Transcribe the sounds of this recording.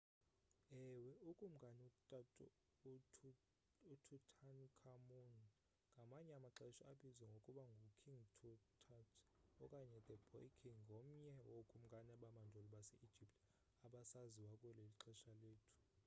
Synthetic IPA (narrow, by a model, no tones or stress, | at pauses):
ɛwɛukʼum̩ɡʱanɛutʼatʼʰ | utʰutʰankʰamun | ŋɡʱamaɲɛamaǁɛʃɔaɓizwɛŋɡʱokʼuɓaŋɡʱokʰiŋtʰutʰatʰɔkʼaɲɛd̪ɛbʰʱɔikʰiŋŋɡʱom̩ɲɛwokʼum̩ɡʼʱanaɓamand͡ʒʱolɔɓasɛʔi̥d͡ʒ̥ʱiptʼ | aɓasaziwakʼuɛleliǁʰɛʃaleːtʰu̥